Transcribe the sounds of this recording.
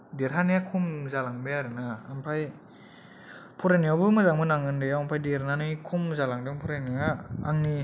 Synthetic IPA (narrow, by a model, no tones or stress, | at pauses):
deɾɦanijakʰumzalaŋbeaɾɯnaːmpʰaj | pʰuɾaniawbɯmɯzaŋmɯnaŋɯndɯjawampʰajdeɾnanɯkʰumzalaŋdɯŋpʰuɾaniaːŋni